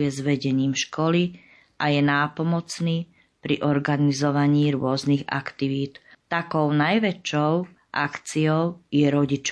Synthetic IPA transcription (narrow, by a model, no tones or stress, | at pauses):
jɛzʋɛɟɛɲiːmʃkɔli | ʔajɛnaːpɔmɔt͡sniː | pɾḭʔɔɾɡanizɔʋaɲiːɾʊɔzniɣa̰kt̪iʋiːt̪ | t̪akɔʊnajʋɛt͡ʃɔʊ | ʔakt͡siɔʊjɛɾɔɟit͡ʃ